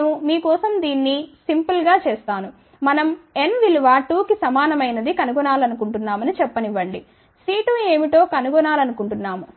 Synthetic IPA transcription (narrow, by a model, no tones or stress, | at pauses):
umiːkɔːsɐmd̪iːnːisimpulɡaːt͡ʃeːst̪aːnu | mɐnɐme̞nʋiluʋaːʈuːkisɐmaːnɐmɐjnɐd̪ikɐnuɡɔnaːlɐnukuɳʈunːaːmɐnit͡ʃɛpːɐniʋɐɳɖi | siːʈue̞ːmiʈo̞ːkɐnuɡɔnaːlɐnukuɳʈunːaːmu